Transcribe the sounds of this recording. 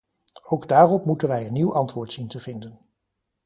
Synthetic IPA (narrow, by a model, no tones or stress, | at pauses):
owɡdaːrɔpmutənʋɛjənːiwʔɑntʋʊːɹtsintəv̥ɪndən